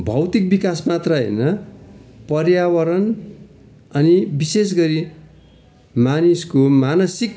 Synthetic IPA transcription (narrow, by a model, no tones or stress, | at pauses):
bʱʌwt̪ik̚bikasmat̪rʌɦʌ̰jnʌ | pʌrjawʌɾʌn | ʌnibises̬ɡʌɾi | maniskomanʌsik